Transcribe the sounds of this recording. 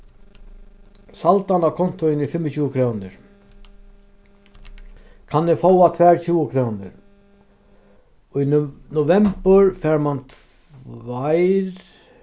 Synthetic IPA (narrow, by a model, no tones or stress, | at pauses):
salt̪anakʰɔnt̪ʊɪnɪfɪmːət͡ɕʰuːəkʰɾoːwnɪ̰ɾ | kʰanɪfɔwat̪ʰvɛːɹt͡ɕʰuːəkʰɾoːwnɪ̰ɾ | ɔinʊvɛmpəɹfɛːɹmant̪ʰ | vajɾ